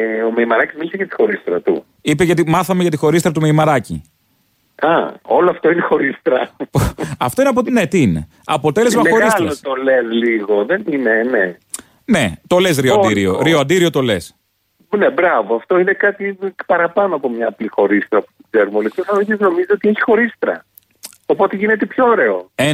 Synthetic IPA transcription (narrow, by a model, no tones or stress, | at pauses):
omeimɐɾɐcizmilisejɐt̪i̥xo̞ɾist̪ɾɐt̪ṵ | ipeʝɐt̪̬imɐθɐmeʝɐt̪ixo̞ɾist̪ɾɐt̪umeimɐɾɐcḭ | ɐo̞loɐft̪o̞inexo̞ɾist̪ɾɐpɐft̪o̞ineɐp̬ot̪ne̞t̪iine̞ | ɐpo̞t̪e̞le̞zmɐexo̞ɾɣisɐlɐost̪olezliɣo̞ðeninene | ne̞t̪o̞les̬ɾioɐdd̪iɾioɾioɐnd̪iɾio̞t̪o̞le̞s | nebɾɐvoɐft̪o̞ine̞kɐt̪ipɐɾɐpɐnoɐpomɲɐːplixo̞ɾist̪ɾɐpu̥t̪i̥ɡze̞ɾumolit̪osɐmisizno̞mizio̞t̪ieçi̥xo̞ɾist̪ɾɐ̰ | opo̞t̪eʝine̞t̪epçooɾe̞oe